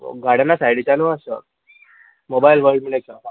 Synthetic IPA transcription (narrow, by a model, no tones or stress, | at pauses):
ɡaɽənasajɽit͡ɕanəasə̰ | mobailʋəɾɖmiɽesaa